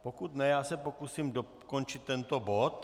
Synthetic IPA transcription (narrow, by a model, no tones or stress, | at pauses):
pokut̪nɛjaːsɛpokusiːmdo | kont͡ʃɪt̪ːɛnt̪obot̪